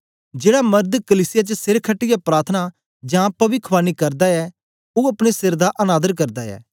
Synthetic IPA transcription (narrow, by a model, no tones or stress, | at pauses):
d͡ʒeːɽamɐɾd̪kəliːsɪjat͡ʃəsɪɾkʰəʈːɪjapɾaːt̪ʰəna | d͡ʒãːpɐʋɪkʰːʋaːnikɐɾd̪aɛ | oːɐpɽ̃esɪɾd̪aʔɐnaːd̪əɾkɐɾd̪aɛ̰ː